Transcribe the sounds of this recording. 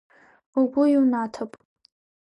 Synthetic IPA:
uɡʷʊiwnatʰapʼ

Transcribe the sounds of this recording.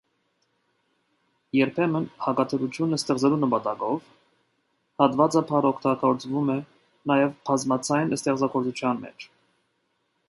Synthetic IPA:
jɛɾpʰɛmənhɑkɑt̪ʰəɾut͡sʰjunəst̪ɛʁd͡zɛlunəpɑt̪ɑkɔv | hɑt̪vɑt͡sɑpʰɑɾɔkʰt̪ɑɡɔɾt͡svumɛ | nɑjɛvpʰɑzmɑt͡sʰɑjnəst̪ɛʁd͡zɑɡɔɾt͡sut͡ʃʰjɑnmɛ̰t͡ʃʰ

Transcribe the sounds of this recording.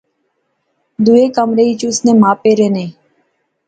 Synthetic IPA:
d̪ueːkəmɾeːiːt͡ʃusnẽːmãːpeːɾeːnẽː

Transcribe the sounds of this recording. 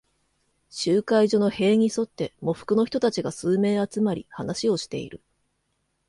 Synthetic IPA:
ɕɨːkaiʑo̞no̞he̞ːɲ̟iso̞t̪ːe̞mo̞ɸɯ̟̥kɯ̟no̞çʲi̥t̪o̞t̪at͡ɕiɡasɨːme̞ːat͡sɨmaɾʲḭhanaɕio̞ɕi̥t̪e̞̰ḭɾɯ̟̰

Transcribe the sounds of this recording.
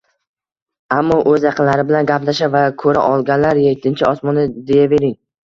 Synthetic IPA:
amːɒʔɵzjɑqʰɨnlaɾɪbɪlanɡʲaplaʃavakʰɵɾa̰ʔɒlˠɡʲanlaɾjet̪ʰːɪnt͡ʃʰɪɒsmɒnɪd̪e̞jave̞ɾɪŋ

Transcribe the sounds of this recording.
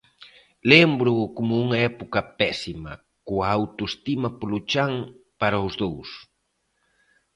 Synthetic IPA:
lembɾʊkomʊuŋɐɛpukɐpɛsimɐ̰ | koaːwt̪oest̪imɐplut͡ʃaŋpaɾawzðows

